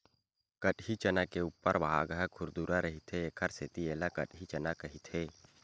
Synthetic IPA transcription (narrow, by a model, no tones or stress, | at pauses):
kəʈɦit͡ʃənakeuːpːəɾʋaɦa̰ɡɦəkʰʊɾd̪uːɾaɾəɦit̪ʰeeːkʰəɾset̪ieːlakə̰ʈɦit͡ʃɐnakɐɦit̪ʰeː